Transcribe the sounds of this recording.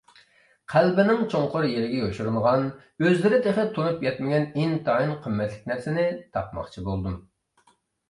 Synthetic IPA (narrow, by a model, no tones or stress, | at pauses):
qʰælbɪnɪŋt͡ʃʰoŋqʊɾjeɾɪɡʲɛoʃuɾməʁɑn | øzlɪɾɪd̪ʰeχət̪ʰːonupjɛt̪mɪɡʲɛnint̪ʰɑːinqʰəmːɛt̪lɪk̚ʲnæɾsɪnɪt̪ʰɑpmɑ̰χt͡ʃʰibolˠd̪um